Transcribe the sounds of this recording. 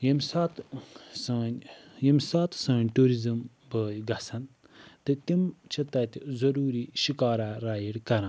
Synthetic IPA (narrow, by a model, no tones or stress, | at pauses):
jimsat̪sɐːnʲjimsat̪ʰsɐ̃ːnʲʈuːɾizɨm | bəːjɡɐsɐn | t̪ɨt̪imt͡ʃʰɐt̪ɐt̪ʲizɐɾuːɾiːʃikaːɾaɾaːjiɽkɐɾã